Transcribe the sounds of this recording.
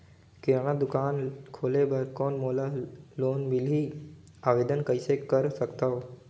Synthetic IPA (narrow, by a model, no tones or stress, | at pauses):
kɪɾaɳ̃ad̪ʊkaːnkʰoːlebɐɾkɔːnmoːlaloːnbɪlɦi | aːʋeːd̪ənkəɪsekəɾsəkt̪aɦoː